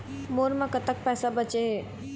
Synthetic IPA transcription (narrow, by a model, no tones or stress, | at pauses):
moːɾmẽkət̪ək̚pɛːsabət͡ʃeɦe